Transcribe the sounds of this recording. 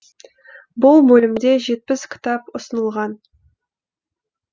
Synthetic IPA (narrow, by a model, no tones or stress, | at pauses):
bʊlˠbɵlɪmd̪e̞ʒe̞t̪̚pɪskʲʰɪ̥t̪ɑpʊsənəlˠʁɑn